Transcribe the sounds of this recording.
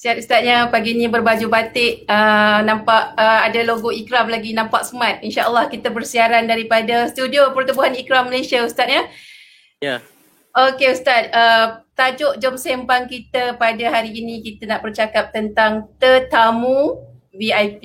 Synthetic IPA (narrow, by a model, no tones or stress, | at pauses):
siat̪ust̪at̪̚ɲəpaɡinĩbərbad͡ʒubat̪ɪʔənampaʔəadaloɡoikɾamlaɡinãmpaʔ̚səmat̪̚inʃaʔəlːahkit̪əbərsiaɾandaɾipadast̪udiopərt̪ubuɦanikɾamːəlesiaust̪at̪̚ɲə | okeust̪at̪̚ət̪ad͡ʒʊʔd͡ʒɔmsempaŋkit̪əpadaɦaɾiːnĩkit̪anaʔbərt͡ʃakap̚t̪ənt̪aŋt̪ət̪amũviajpi